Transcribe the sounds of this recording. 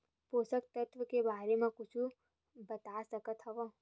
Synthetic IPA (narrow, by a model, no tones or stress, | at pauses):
poːsək̚t̪ɐt̪ʋəkebaːɾemẽkʊt͡ʃʰu | bɐt̪asɐkət̪ɦɐʋa